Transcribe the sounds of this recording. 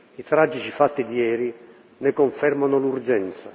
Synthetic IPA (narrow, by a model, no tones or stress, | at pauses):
it̪ɾad͡ʒːit͡ʃifat̪ːid̪iɛːɾi | nɪkoɱfɛrmanʊlurd͡ʒɛnt̪sa̰